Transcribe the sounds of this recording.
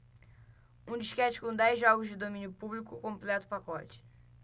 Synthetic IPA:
ũd͡ʒiʃkɛt͡ʃɪ̥kõd̪ɛjzʒɔɡʊzd͡ʒɪd̪omĩnjʊpublikʊkõmplɛt̪ʊ̥pakɔt͡ʃɪ̥

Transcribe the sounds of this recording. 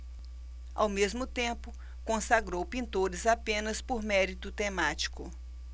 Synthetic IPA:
a̰wmezmʊt̪ẽpʊ | kõsaɡɾowpĩnt̪oɾɪzapẽnɐspoɾmɛɾit̪ʊt̪emat͡ʃi̥kʊ

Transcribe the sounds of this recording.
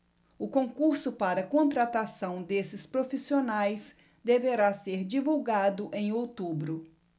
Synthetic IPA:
ʊkõkuɾsʊpaɾɐkõnt̪ɾat̪asɐ̃w̃d̪esɪspɾofisionajs | d̪eveɾaseɾd͡ʒivuwɡad̪ʊʔẽj̃owt̪ubɾʊ

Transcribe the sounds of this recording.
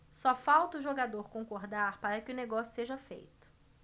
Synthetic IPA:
sɔfawt̪ɐʊʒoɡad̪oɾkõkoɾd̪aɾpaɾɐkɪʊneɡɔsjʊseʒɐfḛjt̪ʊ̥

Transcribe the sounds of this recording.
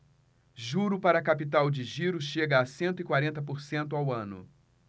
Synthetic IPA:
ʒuɾʊpaɾɐːkapit̪awd͡ʒɪʒiɾʊʃeɡɐːsẽnt̪ʊɪkwaɾẽnt̪ɐp̬oɾsẽnt̪ʊawɐ̃nʊ̰

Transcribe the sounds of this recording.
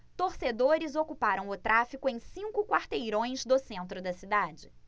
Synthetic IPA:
t̪oɾsed̪oɾɪzokupaɾɐ̃w̃ʊt̪ɾafikʊẽj̃sĩŋkʊkwaɾt̪ejɾõj̃zd̪ʊsẽnt̪ɾʊd̪ɐsid̪ad͡ʒɪ

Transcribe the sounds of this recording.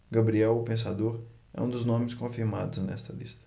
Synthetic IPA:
ɡɐbɾiɛwpẽs̬ad̪oɾɛ̰ũd̪ʊznõmɪskõfiɾmad̪ʊznɛst̪ɐlist̪ɐ̥

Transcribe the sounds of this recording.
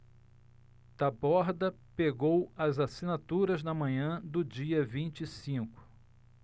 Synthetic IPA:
t̪abɔɾd̪ɐpeɡowɐzasinat̪uɾɐznɐmɐ̃ɲɐ̃d̪ʊd͡ʒiɐvĩt͡ʃisĩkʊ̥

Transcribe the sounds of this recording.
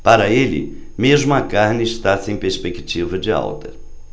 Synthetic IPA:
paɾɐelɪ̰ | meʒmʊɐkaɾnɪɪʃt̪asẽj̃peɾspekit͡ʃivɐd͡ʒɪa̰wt̪ɐ

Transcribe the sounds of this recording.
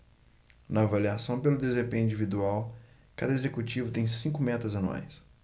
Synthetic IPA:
nɐːvaliasɐ̃w̃pelʊd̪ezepẽĩd͡ʒivid̪uaw | kad̪ɐezekut͡ʃivʊt̪ẽj̃sĩkʊmɛt̪ɐzɐ̃nua̰js

